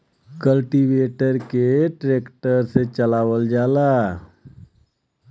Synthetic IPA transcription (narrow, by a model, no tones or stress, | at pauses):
kəlʈiʋeːʈəɾkeʈɾeːkʈəɾset͡ʃəlaːwəld͡ʒaːlaː